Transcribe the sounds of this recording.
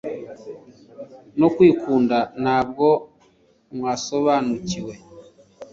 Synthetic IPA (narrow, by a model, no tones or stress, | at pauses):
nokwiːkʰuːndanaːb̚ɡo̞ | mwaːso̞βaːnuciwe̞